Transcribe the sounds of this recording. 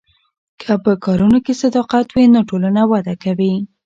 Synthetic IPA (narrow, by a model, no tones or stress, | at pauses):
kʰəpəkɑɾunokesad̪ɑqat̪winoʈolanawad̪akawi